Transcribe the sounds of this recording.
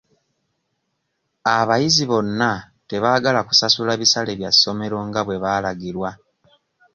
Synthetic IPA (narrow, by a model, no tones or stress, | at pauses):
aβajiziβo̞nːa | te̞βaːɡalaku̥sasulaβisale̞βjasːo̞me̞ɾo̞ŋɡaβwe̞βaːlaɡiɾwa